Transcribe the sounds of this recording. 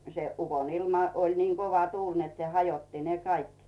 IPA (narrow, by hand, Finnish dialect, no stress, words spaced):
se ukonilmɑ olʲ niː koʋɑ tuːlʲ net se hɑjotːi ne kɑik